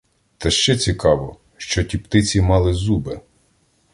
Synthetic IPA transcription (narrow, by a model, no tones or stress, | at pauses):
t̪ɐʃt͡ʃɛt͡sʲikɑʋɔ | ʃt͡ʃɔtʲipt̪ɪt͡sʲimɑlˠɪzube